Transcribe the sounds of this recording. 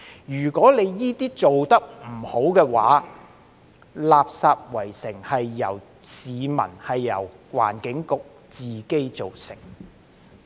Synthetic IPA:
jyː˨˩kʷɔː˨˥le˨˧jːiː˥t̪iː˥t͡so˨wt̪ɐ˥k̚m̩˨˩ho˨˥wkɛː˧wa̰ː˨˥ | laː˨˧p̚saː˧p̚wɐ˨˩jsɪ˨˩ŋhɐ˨jːɐ̰˨˩w | siː˨˧mɐ̰˨˩nhɐ˨jːɐ˨˩wwa̰ː˨˩nkɪ˨˥ŋkʊ˨k̚ | t͡siː˨ke˥jt͡so˨wsɪ̰˨˩ŋ

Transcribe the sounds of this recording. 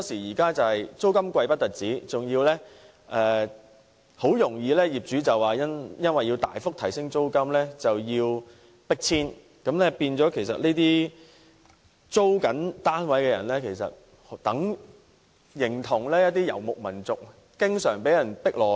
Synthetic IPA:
t̪ɔː˥siː˨˩jiː˨˩kaː˥t͡sɐ˨whɐ˨jt͡so˥wkɐ˥mkʷɐ˧jpɐ˥t̚t̪ɐ˨t̚t͡siː˨˥t͡sʊ˨ŋjiː˧wlɛː˥ | ʔɛː˨˧ | ho˨˥wjʊ˨˩ŋjiː˧lɛː˥jiː˨˩p̚t͡ʃyː˨˥t͡sɐ˨˩waː˨˩jɐ˥njɐ˥nwɐ˨jːi˧wt̪a̰ː˨jfʊ˥k̚t̪ʰɐ˨˩jsɪ˥ŋt͡so˥wkɐ˥mlɛː˥t͡sɐ˨wjiː˧w | pɪ˥k̚t͡sʰiː˥n | kɐ˨˥mlɛː˥piː˧nt͡sɔː˨˥kʰe˨˩js̬ɐ˨t̚liː˥t̪iː˥ | t͡so˥wkɐ˨˥nt̪aː˥nwɐ˨˥jkɛː˧jɐ˨˩nlɛː˥kʰe˨˩jsɐ̰˨t̚ | ht̪ɐ˨˥ŋ | jɪ˨˩ŋt̪ʰʊ˨˩ŋlɛː˥jɐ˥t̪̬iː˥jɐ̰˨˩wmʊ˨k̚mɐ˨˩nt͡sʊ˨k̚ | kɪ˥ŋsœː˨˩ŋpe˨˥jɐ˨˩npɪ˥k̚lɔː˨˩

